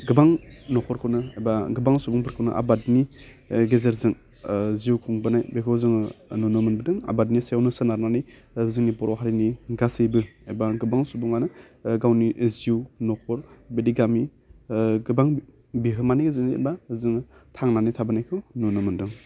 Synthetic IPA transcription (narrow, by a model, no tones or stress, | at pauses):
ɡɯbaŋnɔkʰɔɾkʰɯwnɯajbaɡɯbaŋsubuŋbʰɯɾkʰɯwnɯ̰ʔa̰badniɡezeɾzɯŋ | ziuwkʰuŋbɯnajbekʰɯwzɯŋnunɯmɯnbɯdɯŋa̰badnisjawnɯsɯnaɾnanij | zɯŋnibɔɾɔɦaɾiniɡasɯjbɯajbaɡɯbaŋsubuŋanɯ | ɡawniziwnɔkʰɔɾbediɡami | ɡɯbaŋ | biɦɯmanijɡɯzɯŋḛbazɯŋtʰaŋnanitʰabɯnajkʰɯwnunɯmɯndɯŋ